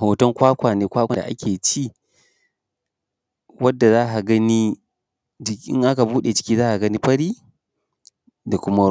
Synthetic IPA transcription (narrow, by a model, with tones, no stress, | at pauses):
hoː˨tɔ˦ŋkʷaː˦kʷaː˨neː˨kʷaː˦kʷa˨a̰˨ʔa̰˦kʲʰeː˨t͡ʃiː˦˨ | wɐ˦dːa˨zaː˦ɦa˨ɡɐ˦ni˦ | d͡ʒɪ˦ʔɪ̰˦ŋʔa˦ka˨buː˦ɗe˨d͡ʒɪ̥˦kʲiː˦zaː˦ʔa˨ɡɐ˦ni˦ɸɐ˦ɽiː˦ | da˨kʷʊ˦ma˦